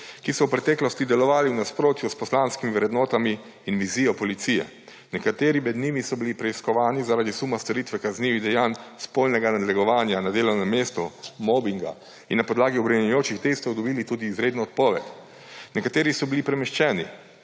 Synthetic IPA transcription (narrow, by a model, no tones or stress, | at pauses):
kisɔwpɾɛt̪ɛːklɔst̪id̪ɛlɔʋaːliwnaspɾoːt̪juspɔslaːnskimiʋɾɛd̪nɔːt̪amiː | nʋiziːjɔpɔlit̪sijɛ̰ | nɛkat̪eːɾimɛd̪niːmisɔbilipɾɛiskɔʋaːnizaɾad̪isumast̪ɔɾiːt̪ʋɛkazniːʋiɣd̪ɛjaːnspolnɛɡanad̪lɛɡɔʋaːnjanad̪eːlɔwnɛmːeːst̪ɔmɔbiŋɡa̰ | ḭnːapɔd̪laːɡiɔbɾɛmɛɛjoːt͡ʃixt̪eːst̪ɔwd̪ɔbiːlit̪uːd̪iːzɾeːd̪nɔɔt̪̚pɔːʋɛt̪ | nɛkat̪eːɾisɔbilipɾɛmɛʃt͡ʃɛːni